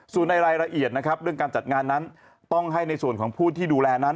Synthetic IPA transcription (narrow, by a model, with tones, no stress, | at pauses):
suː˨˩nːa˧jɾaː˧jɾa˧ʔi˨˩ət̪̚na˦˥kʰɾa˦˥p̚ɾɯ˥˩əŋkaː˧nt͡ɕa˨˩t̪̚ŋaː˧nːa˦˥n | t̪ɔ˥˩ŋɦa˥˩jna˧jsu˨˩ənkɔː˩˦ŋpʰuː˥˩t̪ʰːiː˥˩duː˧lɛː˧na˦˥n